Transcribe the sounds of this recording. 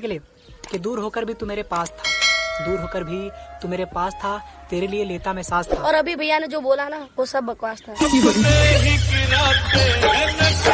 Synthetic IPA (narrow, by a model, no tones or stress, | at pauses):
klie | ked̪uːɾɦoːkəɾbʱit̪umeːɾepaːst̪ʰḁd̪uːɾɦoːkəɾbʱit̪umeːɾepaːst̪ʰat̪eːɾelieleːt̪amɛɦsaːst̪ʰaɔːɾɐbʱibʱɐjːanẽd͡ʒoːboːlanaʋosɐbːɐkwaːst̪ʰaibɐieikiɾae